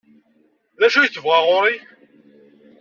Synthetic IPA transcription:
ðæʃujθəvʁaʁoɾi

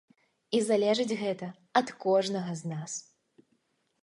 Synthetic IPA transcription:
izalʲɛʐɨd͡zʲɣɛt̪ɐ | ɐt̪kɔʐnɐɣɐznas

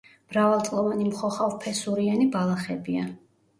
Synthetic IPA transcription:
m̥ɾavalˠt̪sʼlˠɔvanimχɔχavpʰɛsuɾianibalˠaχɛbia

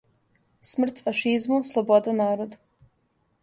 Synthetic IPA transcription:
smr̩t̪faʃizmuslˠobod̪anaːɾod̪u

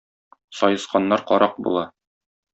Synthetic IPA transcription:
sɒjɤ̆sqɑnːɑɾqɒ̰ɾʔɑq̚bṵlˠɑ

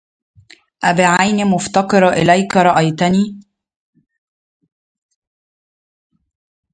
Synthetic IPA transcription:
ʔæbɪʕajnimʊft̪ɑqɨɾˤʔɪ̰læjkɾˤɑʔæjt̪æniː

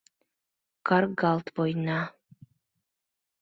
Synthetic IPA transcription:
karɡalt̪ʰvojna

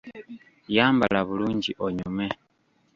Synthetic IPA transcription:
jaːmbalaβuluːɲɟiʔoɲume

